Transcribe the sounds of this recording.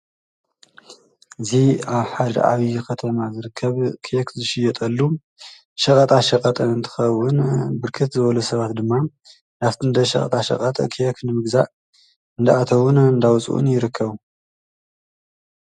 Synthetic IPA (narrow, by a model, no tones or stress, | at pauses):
ʔɨziaβħad̪ɐ̰ʔa̰βikʰɐt̪ʰɐmazɨɾɨkʰːɐβkʰɛkzɨʃɪjɛt̪ʼɐlːu | ʃɐkʼɐt̪ʼaʃɐkʼɐt̪ʼɐɨnt̪ʰɨ̥xɐwːʊnbɨɾkʰɨt̪zɨβɐlusɐβat̪d̪ɨmːa | naft̪ʰɨnd̪ɐʃɐ̰kʼɐ̰t̪ʼaʃɐ̰qʼɐt̪ʼɐ̰kʰɛknɨmɨɡzaʔ | ɨnd̪aat̪ʰɐwʊnɨnd̪awt͡sʼṵʔṵnjɪɾɨkʰːɐβ